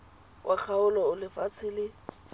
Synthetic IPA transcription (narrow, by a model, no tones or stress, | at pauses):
wʔakʰaʊlɔʊlɪfat͡sʰɪlɪ